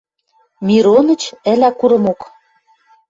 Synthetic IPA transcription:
mʲiɾonə̆t͡ɕɘ̆lækuɾɤ̆mok

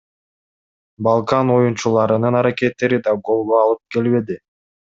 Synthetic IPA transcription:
bɑlˠkɑno̞junt͡ʃulˠɑɾɯnɯnɑɾake̞t̪ːe̞ɾid̪ɑɡo̞lˠɡoɑlˠɯp̚ke̞lβe̞d̪i

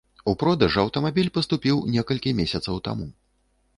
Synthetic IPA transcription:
upɾɔd̪ɐʐɐwt̪ɐmabʲilʲpɐst̪upʲiwnʲɛkɐlʲkʲimʲesʲɐt̪sɐwt̪a̰mu

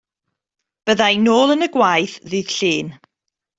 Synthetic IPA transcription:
b̥əðajnoːlˠənəɡwajθðɨð̥ɬiːn

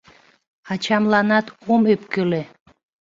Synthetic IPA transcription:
ɑt͡ɕɑmlˠɑnɑt̪omøpkøle

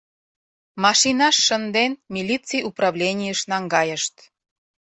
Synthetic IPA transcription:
mɑʃinɑʃːənd̪enmʲilʲit͡sijʔuprɑβlʲenʲijəʃnɑŋɡɑjəʃt̪

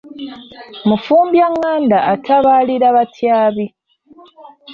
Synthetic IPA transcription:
mufuːmbjaŋːaːndaːtʰaβaːliɾaβatʰjaːβi

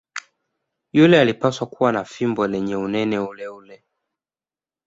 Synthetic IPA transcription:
julɛalipaswakuwanafimbɔlɛɲɛunɛnɛulɛulɛ

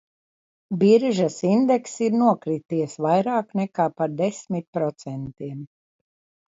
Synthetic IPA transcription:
biɾʒasind̪eksiɾnuɔkɾit̪iɛsvajɾaːknɛkaːpaɾd̪esmit̪̚pɾɔt̪sɛnt̪iɛm

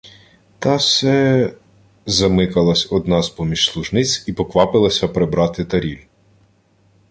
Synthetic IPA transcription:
t̪ɑsɛ | zɐmɪkɐlˠɐsʲɔd̪̚nɑzpɔmʲiʃslˠuʒnɪt͡sʲipɔkʋɑpɪlˠɐsʲɐpɾebɾɑt̪ɪt̪ɐɾʲilʲ

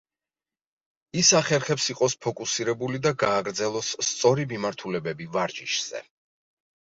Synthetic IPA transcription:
isaχɛɾχɛpsiqʼɔspʰɔkʼusiɾɛbulid̪aɡaːɡɾd̪zɛlˠɔst̪sʼɔɾimimaɾt̪ʰulɛbɛbivaɾd͡ʒiʃz̥ɛ̰

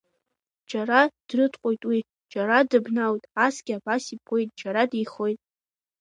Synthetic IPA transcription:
d͡ʒaɾad̥rɨtʰqʷʼojtʼwi | d͡ʒaɾadɨbnawtʼasɡ̥ʲabasipʰo̞jtʼd͡ʒaɾadiχo̞jtʼ

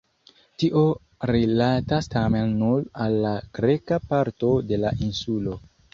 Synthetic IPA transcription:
tiʔo̞ | ɾilatastame̞nːulalːaɡ̥ɾe̞kapaɾto̞de̞laʔinsulo̞

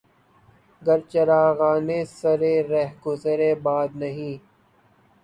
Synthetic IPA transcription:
ɡəɾt͡ʃəɾaːɣaːneːsəɾeːɾɛɦɡʊzəɾeːbaːd̪nɐɦĩː

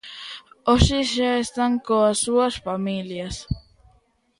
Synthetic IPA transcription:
oʃiʃaest̪aŋkoasuasfamiljas

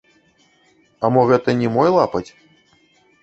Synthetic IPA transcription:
ɐmɔɣɛt̪ɐnʲɛmɔjlˠapɐt͡sʲ

